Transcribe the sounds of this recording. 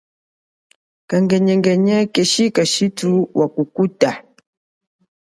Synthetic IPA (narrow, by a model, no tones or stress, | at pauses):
kaŋɡɛɲɛŋɡɛɲɛkɛʃikaʃituwʔakukuta